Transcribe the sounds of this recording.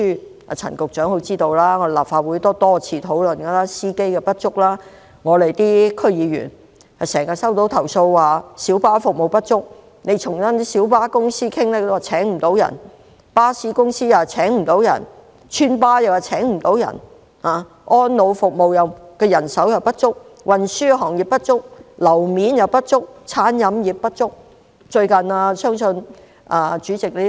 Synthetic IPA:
yː˥ | a̰˨t͡sʰɐ̰˨˩nkʊ˨k̚t͡ʃœː˨˥ŋho˨˥wt͡siː˥t̪o˧wlaː˥ŋɔ˨˧e˨laː˨˩p̚faː˧t̚wuː˨˥jt̪ɔː˥t̪ɔː˥t͡sʰiː˧t̪ʰo˨˥wlɵ˨nkɐ˧laː˥siː˥ke˥jkɛ˧pɐ˥t̚t͡ʃʊ˥k̚laː˥ | ŋɔː˨˧le˨jt̪iː˥kʰɵ˥ɥjiː˨˧ɥy̰˨˩n | ha˨˩sɛː˨˩ŋkaː˧sɐ˥wt̪o˨˥wt̪ʰɐ˨˩wso˧wwaː˨si˨˥wpaː˥fʊ˨k̚mo˨wpɐ˥t̚t͡ʃʊ˥k̚ | ne˨˧jt͡ʃʰʊ˨˩ŋsɐ˥n˥siː˨˥wpaː˥kʊ˥ŋsiː˥kʰɪ˥ŋlɛ˥˧waː˨˩t͡sʰɛː˨˥ŋm̩˨˩t̪o˨˥wjɐ̰˨˩n | paː˥siː˨˥kʊ˥ŋsiː˥jaː˨t͡sʰɛː˨˥ŋm̩˨˩t̪o˨˥wjɐ̰˨˩n | t͡ʃʰyː˥npaː˥jɐ˨wjɐ˨t͡sʰɛː˨˥ŋm̩˨˩t̪o˨˥wjɐ̰˨˩n | haː˨˧ | ʔɔː˥nːo˨˧wfʊ˨k̚mo˨wjɐ˨wkɛː˧jɐ˨˩nsɐ˨˥wjɐ˨wpɐ˥t̚t͡ʃʊ˥k̚wʔɐ˨nsyː˥ɦɔː˨˩ŋji˨p̚pɐ˥t̚t͡ʃʊ˥k̚lɐ˨˩wmiː˨˥njɐ˨˧wpɐ˥t̚t͡ʃʊ˥k̚t͡sʰaː˨˥njɐ˨˧mji˨p̚pːɐ˥t̚t͡ʃʊ˥k̚ | t͡ʃɵ˧ɥkɐ˨naː˧sœː˥ŋsɵ˧n | ʔaː˨˧t͡ʃyː˨˥t͡sɪ˨k̚li˥

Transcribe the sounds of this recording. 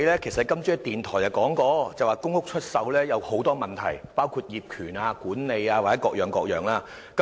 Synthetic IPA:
lɛː˥kʰe˨˩sɐ˨˩t̚kɐ˥mt͡syː˥t̪iː˨nt̪ʰɔː˨˩jɐ˨wkɔː˨˥ŋkɔː˧t͡sɐ˨waː˨kʊ˥ŋhʊ˥k̚t͡ʃʰɵ˥t̚sɐ˨˧wlɛː˥jɐ˨˧who˨˥wt̪ɔː˥mɐ˨nt̪ʰɐ̰˨˩jpaː˥wkʰuː˧t̚jiː˨p̚kʰyː˨˩naː˧kuː˨˥nne˨˧jaː˧wa˨˩t͡sɛ˨˥kɔː˧k̚jœː˨ŋkɔː˧k̚jœː˨˩ŋlaː˥ | kɐ˨˦

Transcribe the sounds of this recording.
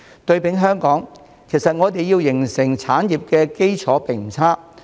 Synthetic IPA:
t̪ɵ˧ɥpɪ˨˥ŋɦœː˥ŋkɔː˨˥ŋ | kʰe˨˩jsɐ˨t̚ŋɔː˨˧t̪̬e˨jiː˧wjɪ˨˩ŋsɪ˨˩ŋt͡sʰaː˨˥njiː˨p̚kɛː˧ke˥jt͡sʰɔː˨˥pe˨˩ŋm̩˨˩t͡sʰaː˥

